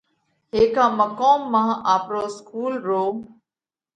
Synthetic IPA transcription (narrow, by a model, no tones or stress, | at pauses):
ɦeːkãːməkoːmːãːʔaːpɾoːskuːlɾoː